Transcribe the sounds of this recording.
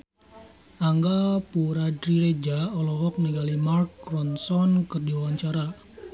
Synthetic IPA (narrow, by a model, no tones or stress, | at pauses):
aŋɡapuɾadɾiɾed͡ʒaɔlɔɣɔk̚niɡalimarkːrɔnsɔnkɨrdiwawaɲt͡ʃaɾa